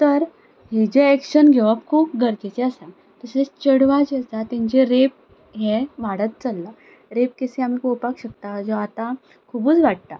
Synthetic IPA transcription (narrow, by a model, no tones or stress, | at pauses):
t̪əɾ | ɦid͡ʑeɛkɕənɡʱɛʋapkʰuːp̚ɡəɾt͡ɕet͡ɕeəsã | t̪əset͡st͡ɕəɽʋad͡ʑeəsat̪ɛ̃ɲd͡ʑeɾep̚ | ɦɛ̃ʋaɽət̪̚t͡səlːa | ɾep̚keseamikopakɕəkt̪ad͡zɔat̪a | kʰubuːt͡sʋaɽ̚t̪a